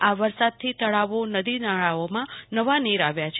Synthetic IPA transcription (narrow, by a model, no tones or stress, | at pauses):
aʋəɾsad̪̚t̪ʰit̪əɭaʋonəd̪inaɭaomãnəʋaniɾaʋjat͡ʃʰ